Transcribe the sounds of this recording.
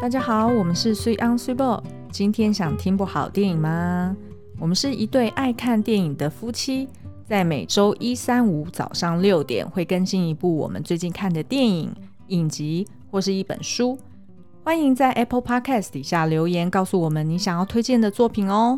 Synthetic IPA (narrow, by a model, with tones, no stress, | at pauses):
t̪a˥˩t͡ɕja˥xɑ˨˩ʊwɔ˨˩mə˨˦nʂɻ̩˥˧swe˥ʔɑ˥ŋswi˥bɔ˥˩ | t͡ɕi˦nt̪ʰjɛ˥nɕjɑ˨˩ŋt̪ʰi˥ŋpu˥˩xɑ˨˩ʊt̪jɛ˥˩ni˨˩ŋma˨ | wɔ˨˩mə˦nʂɻ̩˥˩i˧t̪we˥˧ɪʔa˥˧ɪkʰa˥˧nt̪jɛ˥˩ni˨˩ŋd̪ə˩fu˥t͡ɕʰi˥ | t͡sa˥˩ɪme˨˩ɪʈ͡ʂo˥ʊʔi˦˥sa˦˥nu˧˥t͡sɑ̰˨˩ʊʂɑ˥˧ŋljo˥˨˩ʊt̪jɛ̰˨˩nxwe˥˩ɪkə˥nɕi˥˩ni˧˥pu˥˩wɔ̰˨˩mə̰˦nt͡swe˥˧ɪt͡ɕi˥˧nkʰa˥˩nd̪ə˩t̪jɛ˥˩nḭ˨˩˦ŋ | i˨˩nt͡ɕi˧˦ | xwɔ˥˧ʂɻ̩˥˩i˥˩pə̰˨˩nʂu˥ | xwa˥ni˧˥ŋt͡sa˥˩ɪʔɛ˥pʰə˥˧pʰɑ˥kʰɛ˥˧st̪i˨˩ɕja˥˩ljo˧˥ʊjɛ˧˥nkɑ˥˩ʊsu˨wɔ˨˩mə˦ni˧˥ɕjɑ˨˩ŋjɑ˥˩ʊt̪ʰwe˥ɪt͡ɕjɛ˥˩nd̪ə˨˩t͡swɔ˥˩pʰi˨˩nɔ˧˦